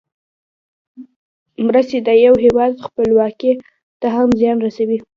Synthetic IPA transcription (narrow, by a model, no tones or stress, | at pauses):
mɾəst̪ed̪əjawɦewɑd̪xpəlwɑke | t̪aɦamzjɑnɾasawi